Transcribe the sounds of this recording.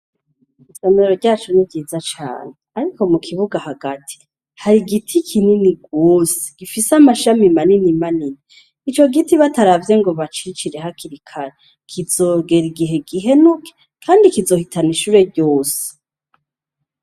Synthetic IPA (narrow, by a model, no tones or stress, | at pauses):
isemeɾoɾɟaːt͡ʃunivɟiːzat͡ʃa̰ːneaɾiko̞mukʰiβuɡahaɡ̥atʰi̥ | haɾiɡitʰikʰininiɡoːse̥ɡ̥ifisamaʃamimaninimaniniː | t͡ʃo̞ɡitiβataɾavje̞ŋɡo̞βat͡ʃit͡ʃiɾe̞hakiɾikʰaɾe | kʰizo̞ɡe̞ɾiɡiɦe̞ɡiɦe̞nukʰe̥ | kʰaːndikizo̞hitʰaniʃuːɾe̞ɾɟo̞ːse̥